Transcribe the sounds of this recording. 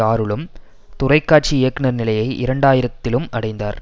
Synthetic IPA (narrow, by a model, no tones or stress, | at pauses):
aːɾɯɭɯm | t̪ʊrɐɪkːaːʈ̚t͡ʃiɪjɐkːɪnɐɾnɪlɐjɐɪʔɪɾɐɳɖaːjɪɾɐt̪ːɪlɯmɐɽɐɪnd̪a̰ːɾ